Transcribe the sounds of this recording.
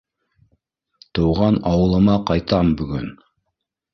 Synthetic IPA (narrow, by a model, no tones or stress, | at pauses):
t̪ɤ̆wʁɑnɑwɤ̆lˠɤ̆mɑqɑjt̪ɑmbɵ̆ɡɵn